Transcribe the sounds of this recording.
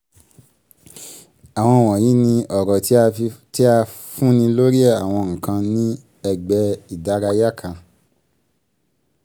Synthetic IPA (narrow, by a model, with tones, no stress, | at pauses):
a˨w̃ɔ̃˧˨w̃ɔ̃˨jĩ˨˦nĩ˧ɔ˨ɾɔ˨tti˦a˧ | fũ˦nĩ˧lo˦ɾi˦ɛ˦˨a˨w̃ɔ̃˧˨ŋ̩̃˨kã˧nĩ˦ | ɛ˧ɡ͡bɛ˧i˨da˨˦ɾa˧ja˦kʰã˧